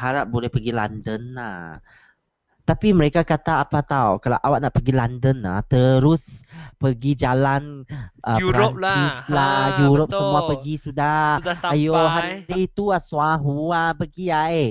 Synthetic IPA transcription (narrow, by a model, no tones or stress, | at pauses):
haɾap̚bolɛhpəɡila̰ndənla̰h | t̪apiməɾekakat̪aːpat̪awkalawʔawaʔnaʔpəɡilandəna̰ht̪əɾʊspəɡid͡ʒalanʔəɾpt͡ʃislajuɾʊp̚səmũapəɡisudaajoɦanɾit̪uaswaɦuapəɡiae